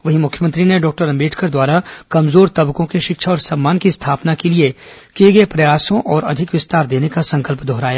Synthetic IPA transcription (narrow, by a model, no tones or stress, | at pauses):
ʋɐɦimʊkʰːjəmə̃nt̪ɾineɖɔːk̚ʈəɾɐ̃mbeːʈʰkʰəɾd̪waːɾakɐmzoːɾt̪ɐbkõkiʃɪkʃʰaɔːɾsɐmːaːnkist̪ʰaːpnakelie | keːɡepɾɐjaːsõʔɔːɾɐ̰d̪ʱɪkʋɪst̪aːɾd̪eːnekasɐ̃ŋkəlpd̪ʱɔɦɾaːjaː